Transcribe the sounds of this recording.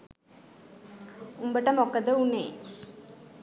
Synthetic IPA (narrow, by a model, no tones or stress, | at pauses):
umbəʈːɐmokːɐd̪əunḛː